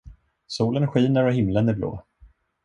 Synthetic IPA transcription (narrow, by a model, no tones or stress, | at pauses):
suːlənɧiːnəɾɔɦɪmlənɪblo̰ː